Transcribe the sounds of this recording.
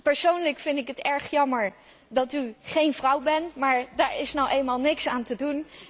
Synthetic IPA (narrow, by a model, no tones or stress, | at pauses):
pəɹsownləkfɪndɪkɦətɛɹχjɑməɹ | dɑtyχejnvrʌwbɛnmaːɹdaːɹɪsnowʔejlmaːlˠnɪksaːntədun